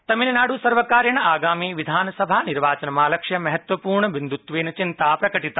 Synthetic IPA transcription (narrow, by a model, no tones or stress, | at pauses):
t̪ɐminnaːɽusəɾʋəkaːɾjəɳ̃aːɡaːmiʋid̪ʱaːnsəbʱaniɾʋaːt͡ʃənmãləkʃjəmɐɦət̪ʋəpuːɾɳəʋɪnd̪ut̪ʋeːnt͡ʃɪnt̪apɾɐkəʈit̪a